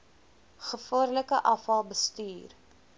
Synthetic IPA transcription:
χəfuərləkəʔɐfɐlˠbəstyːr

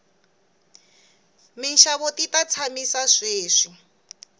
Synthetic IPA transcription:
minʃaβotitat͡sʰamisaʂeːʂi

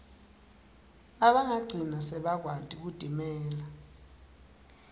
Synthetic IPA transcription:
aɓaŋaɡ͡ǀʱinasɛɓak̬wad̥ʱʼik̬ud̥ʱimɛːla

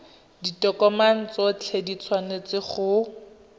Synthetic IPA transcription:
ditɔkɔman̩t͡sɔt͡ɬʰedit͡sʰwanet͡sɪχʊ

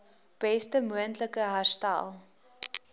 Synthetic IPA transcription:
b̥ɛstəmuəntləkəɦasta̰lˠ

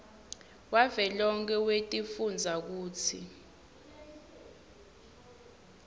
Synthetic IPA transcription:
wavɛlɔŋk̬ʰʼɛwetʼifund͡zʱak̬uːt͡sʰi

